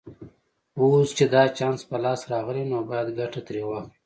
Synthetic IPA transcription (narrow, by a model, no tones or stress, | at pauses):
ost͡ʃed̪ɑt͡ʃɑːnspəlɑːsɾɑɣəlinobajad̪ɡaʈat̪ɾewa